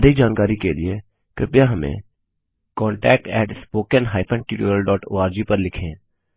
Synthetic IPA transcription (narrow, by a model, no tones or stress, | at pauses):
d̪ʱɪk̚d͡ʒaːnkaːɾikelie | kɾɪpjaɦɐmḛ̃ | kɔːɳʈɛːk̚ʈɛːʈspoːkənɦaːɪpʰə̃ɳɖʈuːʈoːɾəlɖɔːʈo̰ːaːɾd͡ʒiːpɐɾlɪkʰẽː